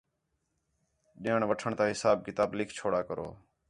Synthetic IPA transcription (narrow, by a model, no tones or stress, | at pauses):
ɗjeːɳʋəʈʰəɳt̪ãːɦɪsaːb̚kɪt̪aːblɪkʰt͡ʃʰoːɽaːkəɾo̰ː